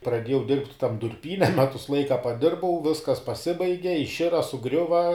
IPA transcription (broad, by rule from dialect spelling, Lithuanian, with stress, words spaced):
prɐˈdʲeːjɛʊ dʲɪrʲpʲtʲ tɐm dʊrʲˈpʲiːnʲɛ ˈmʲæːtʊs ˈlˠɐɪkɐ pɐˈdʲɪrbɐʊ ˈʋʲɪskɐs pɐˈsʲɪbɐɪɡʲɛ ɪʃʲˈɪrɐ sʊˈɡrʲʊʋɐ